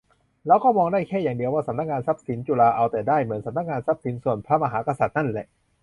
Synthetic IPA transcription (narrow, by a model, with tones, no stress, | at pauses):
lɛː˦˥wkɔː˥˩mɔː˧ŋdaː˥˩jkʰɛː˥˩jaː˨˩ŋdi˧əwaː˥˩sa˨˦mna˦˥k̚ŋaː˧nsa˦˥p̚si˩˦nt͡ɕu˨˩laː˧ʔa˧wt̪ɛː˨˩daː˥˩jmɯ˩˦nsa˨˦mna˦˥kŋaː˧nsa˦˥p̚si˩˦nsu˨˩ənpʰɾa˦˥ma˧ɦaː˩˦ka˧sa˨˩t̪̚na˥˩nlɛ̰˨˩ʔ